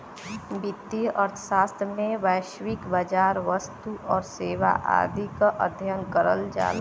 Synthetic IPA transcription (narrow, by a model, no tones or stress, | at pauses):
bɪd̪iʔəɾt̪ʰə̥ʃaːst̪ʰɾəmẽʋajʃʋɪkbad͡ʒaːɾʋəst̪uʔɔːɾseːʋa̰ʔa̰ːd̪ʱikaʔəd̪ʱjənkəɾə̰ld͡ʒa̰ːla